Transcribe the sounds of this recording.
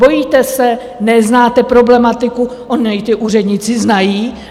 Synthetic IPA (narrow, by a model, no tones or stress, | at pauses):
bo̞jiːt̪ɛsɛ | nɛznaːt̪ɛpɾo̞blɛmat̪ɪkuʔoɲɪɪt̪ɪʔur̝ɛd̪ɲɪt͡sɪznajiː